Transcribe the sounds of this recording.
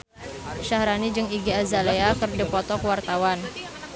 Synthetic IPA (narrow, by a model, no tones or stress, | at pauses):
ʃahɾanid͡ʒɨŋiɡiazaleakərdipɔt̪ɔkwart̪awan